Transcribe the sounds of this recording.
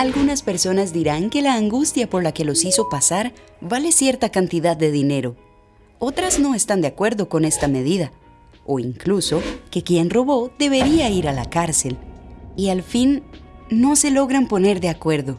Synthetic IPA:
alɣunaspe̞ɾso̞nazd̪iɾaŋke̞laːŋɡust̪japo̞ɾlake̞lo̞siso̞pasaɾ | βale̞sje̞ɾt̪akant̪iðaðːe̞ðine̞ɾo̞ | ot̪ɾazno̞e̞st̪and̪eakwe̞ɾðo̞ko̞ne̞st̪ame̞ð̞iða | oiŋkluso̞ke̞kje̞nro̞βo̞ðe̞βe̞ɾiaiɾala̰kaɾse̞lialfinː | o̞se̞lo̞ɣɾampo̞ne̞ɾðe̞akwe̞ɾðo̞

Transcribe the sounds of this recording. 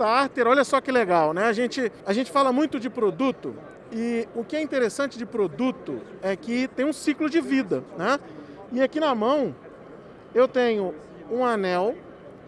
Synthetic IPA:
aaɾt̪eɾoʎɐsɔkɪleɡawnɛaʒẽnt͡ʃɪaʒẽnt͡ʃɪ̥falɐmũj̃t̪ʊd͡ʒɪpɾod̪ut̪ʊ̰ | ɪʊkɪɛĩnt̪eɾesɐ̃nt͡ʃɪd͡ʒɪpɾod̪ut̪ʊ̰ɛkɪt̪ẽj̃ũsiklʊd͡ʒɪvid̪ɐnɛ | ɪakinɐmɐ̃w̃ | ewt̪ẽɲʊ | ũanɛw

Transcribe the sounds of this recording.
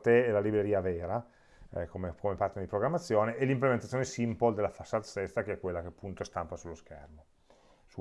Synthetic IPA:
t̪eɛlalibɾeɾiːaveːɾa | komekomepaɾt̪ened̪ipɾoɡɾamːat̪sːjoːneʔelimplement̪at̪ːonesimpold̪elafasːat̪sɛst̪akeɛkːwelːakeapːunt̪ost̪ampasulːoskɛ̰rmo | su

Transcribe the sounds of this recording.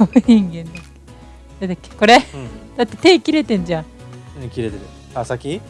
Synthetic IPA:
oiŋɡẽnd̪akːe̥ | d̪ad̪akːe̥ko̞ɾed̪̥at̪ːe̞t̪e̞ːkʲiɾe̞t̪ẽ̞nd͡ʑã | oɲikʲiɾe̞t̪eɾɯ | asakʲi

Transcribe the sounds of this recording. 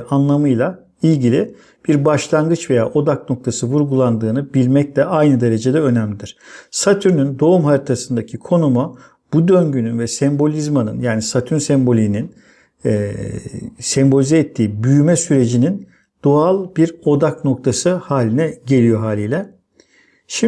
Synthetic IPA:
anlˠamɯjlˠa | ilʲɟilʲi | b̥iɾbaʃlˠaŋɡɯt͡ʃve̞ja̰ːʔo̞d̪akno̞k̚t̪ʰasɯvuɾɡulˠand̪ɯːnɯbilʲmɛc̚lʲɛʔajnɯd̪e̞ɾe̞d͡ʒe̞d̪ɛø̞næmlʲid̪iɾ̥sat̪ʰyɾnynd̪o̞umhaɾit̪ʰasɯnd̪acʰikʰo̞numa | b̥ud̪ø̞ɲɟynynvɛsɛmbo̞lʲizmanɯ̰njaːnisat̪ʰynsɛmbo̞lʲininː | sɛmbo̞lʲizɛːt̪ʰːiːbyjymɛsyɾe̞d͡ʒinin | d̪̥oalˠbiɾo̞d̪akno̞k̚t̪ʰasɯhaːlʲinɛɟe̞lʲijo̞ɦaːlʲijlʲɛ | ʃi

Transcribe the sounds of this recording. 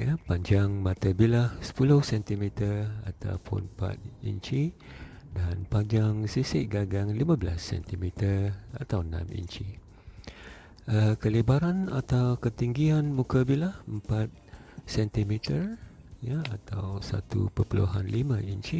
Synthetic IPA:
japaɲd͡ʒaŋmat̪əbilahsə̥pulʊhsɛnt̪imit̪əra̰t̪a̰wpʰʊ̰npa̰t̪̚ḭɲt͡ʃi | danpaɲd͡ʒaŋsisɪʔɡaɡaŋlimãblasːɛ̰nt̪imit̪əra̰t̪awnã̰mḭɲt͡ʃi | əkəlibaɾana̰t̪awkət̪iŋɡianmũkəbilahəmpat̪̚ | sɛnt̪imit̪ərjəat̪awsa̰t̪ṵpəpulṵɦanlimə̃iɲt͡ʃi

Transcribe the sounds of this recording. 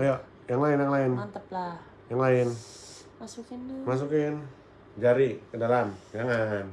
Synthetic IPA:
aja | jaŋlaɪnjaŋlaɪnant̪əpla | jaŋlaɪn | masukɪnmas̬ukɪn | d͡ʒaɾikədalamd͡ʒaŋan

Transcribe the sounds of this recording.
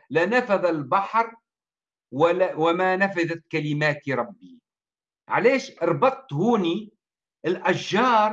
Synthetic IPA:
lanafaðalbaħɾˤ | wwɪmanafaðat̪kalɪmaːt̪iɾˤɑbːi | ʕaleːʃɑɾˤbɑt̪ˤːhuːni | ʔɪlʔaʃːɑːɾˤ

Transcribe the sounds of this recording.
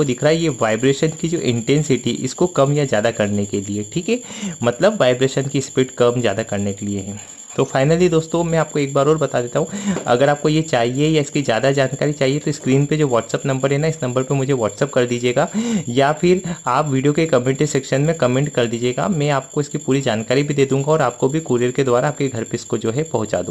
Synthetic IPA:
kod̪ɪkʰɾaɦɛjeʋaːɪbɾeːʃənkid͡ʒo̰ːʔɪ̰̃ɳʈɛ̃ːnsɪʈiʔɪ̰skokɐmjazjaːd̪akɐɾnekelieʈʰiːkɦɛː | mɐt̪ləbʋaːɪbɾeːʃənkispɪʈkɐmzja̰ːd̪akɐɾnekelieɦɛ̃ː | t̪oːfaːɪnəlid̪oːst̪õmɛ̃aːp̚koeːk̚baːɾɔːɾbɐt̪ad̪eːt̪aɦũɐ̰ɡəɾaːp̚kojet͡ʃaːɦiejaɪskizjaːd̪ad͡ʒaːnkaːɾit͡ʃaːɦiet̪oɪskɾiːnped͡ʒoːʋɔːʈsɛːpnɐ̃mbəɾɛːnaɪsnɐ̃mbəɾpemʊd͡ʒʱeʋɔːʈsɛp̚kɐɾd̪iːd͡ʒieːɡaːjafɪɾaːpʋiːɖijokekɐmẽɳʈesɛːkʃənmẽkɐmẽɳʈkɐɾd̪iːd͡ʒieːɡa̰mɛ̃aːp̚koɪskipuːɾid͡ʒaːnkaːɾibʱid̪eːd̪ũːŋɡaɔːɾaːp̚kobʱikuːɾijəɾked̪ʊaːɾaaːp̚keɡʱɐɾpeɪskod͡ʒoːɦɛpɐɦʊ̃t͡ʃa̰ːd̪ṵ̃ː

